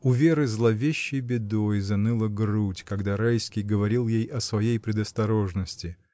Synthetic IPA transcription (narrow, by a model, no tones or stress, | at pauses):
ʊvʲe̞ɾɨzlˠɐvʲeɕːɪjbʲɪd̪o̞jzɐnɨlˠəɡrutʲkɐɡd̪aɾajskʲijɡəvɐɾʲilˠjejɐsvɐjejpɾʲɪd̪əst̪ɐɾo̞ʐnəsʲtʲɪ